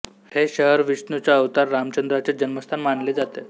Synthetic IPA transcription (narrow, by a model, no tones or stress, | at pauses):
heɕəɦəɾʋisnut͡ɕjaəʋt̪aɾːamt͡ɕənd̪ɾat͡ɕad͡ʑənməst̪ʰanmaɳled͡zat̪e